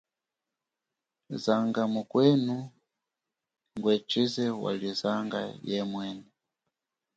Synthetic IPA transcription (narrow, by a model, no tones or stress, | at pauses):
zaŋɡamukwɛnu | ŋɡwɛt͡ʃizɛwa̰lizaŋɡa̰jɛmwɛːnɛ